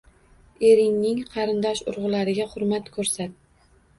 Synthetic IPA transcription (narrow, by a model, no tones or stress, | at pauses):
e̞ɾɪŋnɪŋqʰɑɾɪnd̪ɒʃʊ̰ɾʁʊlaɾɪɡʲaχʊɾmat̪kʰɵɾsat̪̚